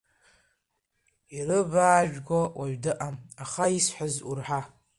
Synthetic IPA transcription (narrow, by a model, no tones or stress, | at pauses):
irɨbaːʒᶣɡʷawaɥdɨʔamaχaisħazurħa